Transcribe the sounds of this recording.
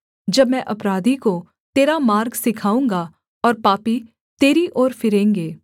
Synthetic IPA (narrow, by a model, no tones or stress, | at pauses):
d͡ʒɐbmɛ̃ʔɐpɾaːd̪ʱiko | t̪eːɾamaːɾɡsɪkʰaːũːŋɡa | ɔːɾpaːpi | t̪eːɾiʔoːɾfɪɾẽːŋɡeː